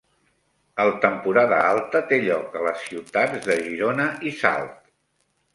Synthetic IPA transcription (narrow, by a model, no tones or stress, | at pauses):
əlˠt̪əmpuɾaðə̰alˠt̪ət̪eʎɔkələsːiwt̪add͡zðəʒiɾonəʔisa̰lˠt̪